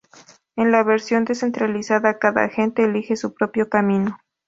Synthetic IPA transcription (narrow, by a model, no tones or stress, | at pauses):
enlaβeɾsjo̞nd̪e̞se̞nt̪ɾalisaðakaða̰xe̞nt̪e̞ːlixe̞supɾo̞pjo̞kamĩno̞